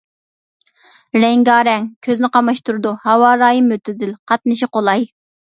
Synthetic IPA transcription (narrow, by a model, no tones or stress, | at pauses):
ɾɛŋɡɑːɾɛŋkʲʰøznɪqɑmɑʃt̪uɾɨd̪uhɑwɑːɾɑːjimøt̪ʰɪd̪ɪlqʰɑt̪̚nɨʃiqolˠɑj